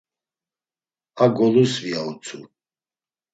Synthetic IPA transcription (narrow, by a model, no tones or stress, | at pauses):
aɡɔluɾsviaut͡sʰṵ